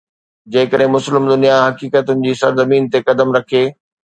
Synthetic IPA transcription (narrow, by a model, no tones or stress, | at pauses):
d͡ʑɐ̃ːɪ̃kəɗɦɪ̃mʊslɪmd̪ʊnijaɦɐkiːkət̪ʊnɪ̆d͡ʑiːsɐɾzɐmiːnt̪ekɐd̪əmɾɐkʰeː